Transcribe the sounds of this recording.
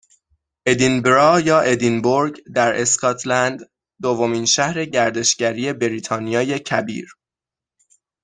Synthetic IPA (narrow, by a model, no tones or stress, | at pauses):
ʔe̞d̪inbɾɒːjɒːʔe̞d̪inboɾɟd̪æɾʔe̞skʰɒːt̪ʰlænd̪ | d̪ovomiːnʃæhɾe̞ɟæɾd̪e̞ʃɟæɾiːe̞beɾiːt̪ʰɒːnijɒːje̞cʰæbḭːɾ